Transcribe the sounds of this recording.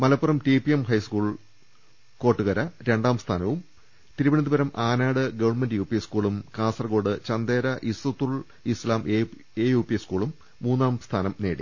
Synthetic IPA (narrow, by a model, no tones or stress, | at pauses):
mɐlɐpːurɐmʈipiemhɐjskuːɭ | ko̞ːʈːuɣɐɾɐɾe̞ɳɖaːmst̪ʰaːnɐʋum | t̪iɾubɐɳɐd̪ibɐɾɐmʔaːnaːɽɨɡɐʋɐɳmɐndɨjuːpiskuːɭumkaːsɐrko̞ːɽɨt͡ɕɐnd̪eːɾɐʔisut̪ːuɭ | islaːm | eːjuːpiskuːɭumː | uːnːaːmst̪ʰaːnɐmneːɽḭ